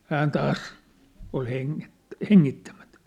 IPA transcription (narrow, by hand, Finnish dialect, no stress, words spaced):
hæːn tɑːs ol heŋːet heŋːitːæmæ̥tæ̥